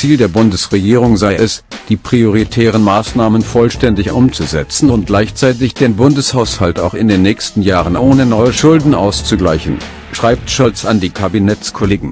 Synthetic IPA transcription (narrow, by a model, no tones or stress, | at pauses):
t͡siːldeːɐbʊndəsʁeɡiːʁ̞ʊŋzaɪɛsd̥iːpʁ̥ioʁ̞itʰɛːʁ̞ənmaːsnaːmənfɔlʃtɛndɪçʔʊmt͡suzɛt͡sn̩ʊnt̚ɡ̥laɪçt͡saɪt̬ɪçd̥eːnbʊndəshaʊshalta̰ʊxɪndeːnːɛːçstn̩jaːʁənʔoːnənɔʏəʃʊldn̩ʔa̰ʊst͡suɡlaɪçn̩ | ʃʁ̥aɪp̚tʃɔlsandiːkʰabinɛt͡skʰoleːɡŋ̩